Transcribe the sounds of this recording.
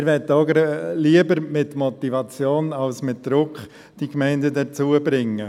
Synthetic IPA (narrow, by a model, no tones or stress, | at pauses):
ɾʋɛtːəɔɡəɾliəbəɾmɪtmɔt̪ivɑt͡sjoːnɑlsmɪt̚d̪̥ɾʊkχ | d̥ikmɛɪndədəɾt͡suəbɾɪŋːə